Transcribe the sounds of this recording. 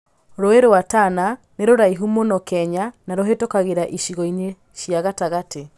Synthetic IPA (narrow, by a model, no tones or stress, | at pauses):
ɾoeɾoatana | neɾoɾaiɦumonɔkɛɲanaɾoɦetokaɣeɾaʔiʃiɣɔine | ɕjaɣataɣatʰe